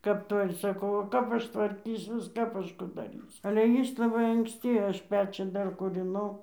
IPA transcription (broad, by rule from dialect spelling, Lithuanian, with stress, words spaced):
kɐp ˈtoːj ɪr sɐˈkɐʊ oː ˈkɐp ˈɐʃ tʋɐrʲˈkʲiːsʲuɔs ˈkɐp ˈɐʃ ˈkʊ dɐˈrʲiːsʲʊ ɐlʲɛ ˈjɪs lˠɐˈbɐɪ ɐŋksʲˈtʲɪ ˈɐʃ ˈpʲæːt͡ʃʲuː ˈdɐr kuːrʲɪˈnɐʊ